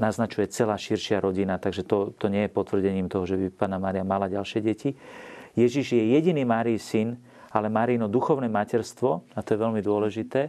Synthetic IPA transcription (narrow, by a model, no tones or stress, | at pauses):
naznat͡ʃujɛt͡sɛlaːʃiɾʃɪaɾʔɔɟinat̪aɡʒɛt̪ɔt̪ɔɲɪɛjɛpɔt̪ʋr̩ɟɛɲiːmt̪ɔɦɔʒɛbipaːnamaːɾiamalaɟalʃɪɛɟɛcijɛʒiʒjɛjɛɟiniːmaːɾisin | alɛmaːɾinɔd̪uxɔʊnɛmacɛɾst̪ʋɔat̪ɔjɛʋɛlmid̪ʊɔlɛʒit̪ɛː